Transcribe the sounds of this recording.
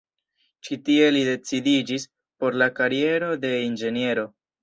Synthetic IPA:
t͡ʃitie̞lide̞t͡sidid͡ʒis | po̞ɾlakaɾie̞ɾo̞de̞ind͡ʒe̞nie̞ɾo̞

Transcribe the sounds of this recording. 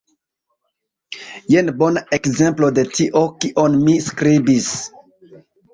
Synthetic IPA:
jenbonaekzemplodetʰiʔokiʔonmiskɾibis

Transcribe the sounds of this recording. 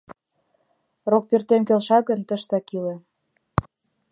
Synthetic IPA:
rok̚pyrt̪emkølʃɑɣə̆nt̪ə̆ʃt̪ɑkilĕ

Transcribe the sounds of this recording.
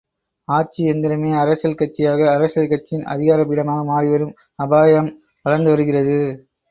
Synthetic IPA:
aːʈ̚t͡ʃiɛnd̪ɪɾɯmeːɐɾɐsɐlkɐʈ̚t͡ʃːɪjaːɣɐːɾɐsɐlkɐʈt͡ʃːɪnɐ̰ðɪɣaːɾɐpːɪɽɐmaːɣɐmaːriʋɐɾɯm | ɐbaːjɐm | ʋɐɻɐɾnd̪ɯʋɐɾɯɣɪrɐðɯ

